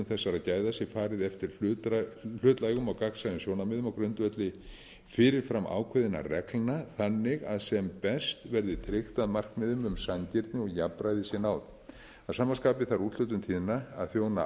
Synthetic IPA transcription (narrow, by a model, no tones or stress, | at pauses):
ʏmθɛsːaɾaðcaːjðasjɛfaːɾɪðɛft̪ɪɾ̥ | l̥ʏːt̪laːjɣʏmawkaksaðɪsjownamɛːðʏmawkɾʏnt̪vœt̪lɪ | fɪːɾɪɾ̥fɾamʔa̰ːwkʰɛðɪna̰rɛklnaθanːɪɣa̰ðsɛmpɛst̪vɛɾðɪt̪ʰɾɪxt̪aðmar̥kmɪːðʏmʏmsancɪɾt̪nɪɔɣjapɾajðɪsjɛnaːwt̪ | aðsaːmaskaːpɪθaɾut̪lœt̪ʏmt̪ʰiːðɪnːaa̰ðθjoːwna̰